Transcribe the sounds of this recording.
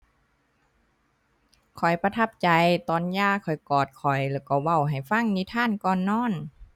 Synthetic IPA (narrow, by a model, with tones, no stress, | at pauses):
kʰɔ˨˩jpa˧t̪ʰa˧˥˩p̚t͡ɕa˨˧jt̪ɔː˨˩njaː˧˥˩kʰɔ˨˩jkɔː˨˩t̪̚kʰɔ˨˩jlɛ˧˩kɔː˧˩wa˧˩wɦa˨˩jfa˧˥˨ŋniː˧˩t̪ʰaː˧˥˨nkɔː˧˩nːɔː˧˥˨n